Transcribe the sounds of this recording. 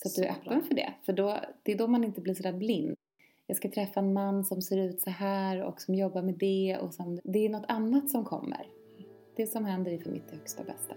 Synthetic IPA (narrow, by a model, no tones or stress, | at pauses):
sɔat̪̚d̪ɵæɾʔœ̰pːənfœɖɛ̰fœɖɔd̪̥ɛːd̪ɔmanɪnt̪əbliːʂ̬ɔd̪æːɾblɪnd̪ | jɑːɡskat̪ʰɾɛfːaɛnmanːsɔmseːɾʉ̟ːt̪sɔɦæːɾɔ̰ksɔmjɔbːaɾmɛd̪ɛɔ̰sɔmd̪ɛːɳɔt̪ʰːanːat̪sɔmkʰɔ̰mːə̰ɾ | d̪̥ɛsɔmhɛnd̪əɾɪfœɾmʔɪ̰t̪hœkst̪abɛ̰st̪a